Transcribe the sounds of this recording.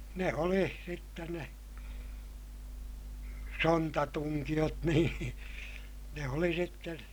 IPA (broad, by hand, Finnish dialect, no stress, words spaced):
ne oli sitːen ne sontɑtuŋkij̆ot niːn ne oli sitːen̞